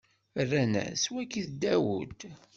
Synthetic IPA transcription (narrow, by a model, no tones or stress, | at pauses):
rːænæ̰swækːiθd̪æwṵd̪